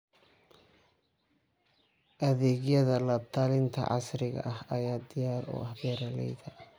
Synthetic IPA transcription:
ʔɐðɛːɣjɐðɐlɐt̪ʰalɪnt̪ʰɐ̰ʕɑ̰sɾɪɣɐ̰ʔɐhɐjaːd̪ɪjaːɾʊ̰ʔɐhbɛːɾɐlɛ̰jðɐ

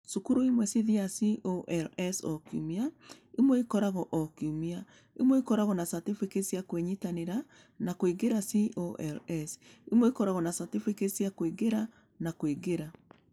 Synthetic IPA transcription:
sukuɾoimwɛsiðiasiʔoʔɛlɛsɔkjṵmia | imwikɔɾaɣɔʔɔkjumia | imwɛikɔɾaɣɔnasatifikesjakweɲitaneɾa | nakoiɡeɾasiʔoʔɛlɛsimwɛikɔɾaɣɔnasatifikesjakoiɡeɾa | nakwiɡeɾa

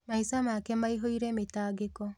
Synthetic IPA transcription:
maisamakɛmaiɦoiɾɛmetaːɡekɔ

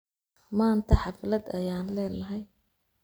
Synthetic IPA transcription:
maːnt̪ʰɐħɑflɐd̪ɐjaːnlɛːlɐɦɛj

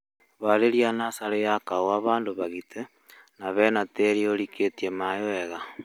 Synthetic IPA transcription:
βaɾeɾianasaɾejakaoaβaːndoβaɣite | naβɛnateɾioɾiketiemajoɛɣa

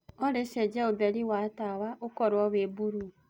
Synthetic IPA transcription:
ɔɾeʃɛd͡ʒɛobɛɾiwatawaʔokɔɾwɔβebuɾu

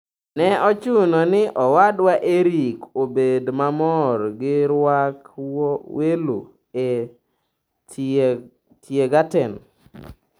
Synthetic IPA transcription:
nɛɔt͡ʃunonɪʔɔwadwaʔeɾikobedmamɔrɡɪɾwak | welṵ | e | tjeɡatɛn

